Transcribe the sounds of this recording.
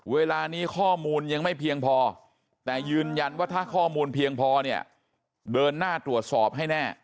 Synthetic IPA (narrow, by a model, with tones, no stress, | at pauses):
weː˧laː˧niː˦˥kʰɔː˥˩muː˧nja˧ŋma˥˩jpʰi˧əŋpʰɔː˧ | t̪ɛː˨˩jɯː˧nja˧nwaː˥˩t̪ʰaː˥˩kʰɔː˥˩muː˧npʰi˧əŋpʰɔː˧ni˥˩ɐ | dɤː˧nːaː˥˩t̪ɾu˨˩ət̪̚sɔː˨˩p̚ɦa˥˩jnɛː˥˩